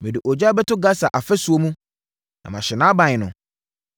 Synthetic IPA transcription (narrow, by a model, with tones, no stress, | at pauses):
mɪ̃˨dɪ˨ʔɔ˨d͡ʑa˦bɛ˦tʰʊ˦ɡa˦sa˨ʔa˨fɛ˦su˨o˦mũ˦ | nã̰˨mã˨ɕɪ˨nã˦bã˨ɲɪ˨nʊ̃˨